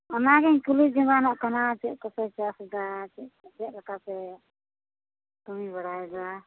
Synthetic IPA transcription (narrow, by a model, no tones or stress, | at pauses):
ɔnaɡɛɲkulid͡ʒɔŋɡanaʔkanat͡ʃɛʔ̚kɔsɛt͡ʃasɡat͡ʃɛʔd͡ʒɛʔ̚lakasɛ | t̪umiβaɽajɛɡa